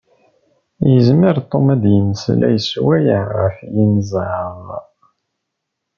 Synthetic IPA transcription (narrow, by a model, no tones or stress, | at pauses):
jəzməɾt̪ˤːomæd̪jənslæ̰jəswæjəʁə̰fjinzʕəv